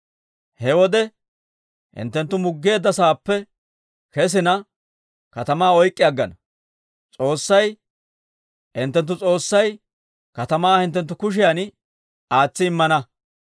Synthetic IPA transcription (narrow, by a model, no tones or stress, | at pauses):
hɛwɔd̪ɛ | hɪ̰nt̪ːɛnt̪ːʊmʊɡːe̞ːd̪ːɐsaːpːɛ | kɛs̬ɪnɐ | kɐt̪ɐmaːɔjkʼːɪjɐɡːɐnɐ | t͡sʼo̞ːsːɐj | ɪ̰nt̪ːɛnt̪ːʊt͡sʼo̞ːsːɐj | kɐt̪ɐmaːhɪnt̪ːɛnt̪ːʊkʊʃ̬ɪjan | aːt͡sːɪɪmːɐnɐ